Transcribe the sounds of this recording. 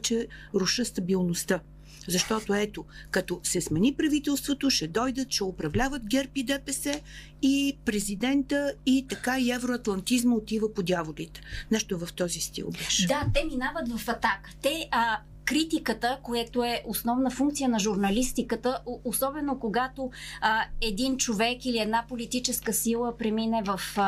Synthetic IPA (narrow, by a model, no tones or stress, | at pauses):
t͡ʃɛɾʊʃəst̪ɐbilˠnost̪ə | zɐʃt̪ɔt̪oɛt̪okɐt̪ɔsɛsmɛnipɾɐvit̪ɛlˠst̪vot̪oʃɛd̪ɔjd̪ət̪t͡ʃɛopɾɐvlʲavət̪ɡʲɛɾpid̪ɛpɛsɛ | ipɾɛzid̪ɛnt̪əit̪ɐkaiɛvɾoɐt̪lˠɐnt̪izməot̪ivəpod̪ʲjavolʲit̪ɛ̥nɛʃt̪ovɐft̪ɔzist̪ḭlˠbɛʃd̪at̪ɛminavət̪vɐfɐt̪akə̥t̪ɛ | kɾit̪ikət̪əkojɛt̪oɛʔosnɔvnəfuŋkt̪sijənɐʒuɾnɐlist̪ikət̪əoosɔbɛnokoɡat̪o | ɛd̪int͡ʃovɛkiliɛd̪napolit̪it͡ʃɛskəsilˠəpɾɛminɛvəf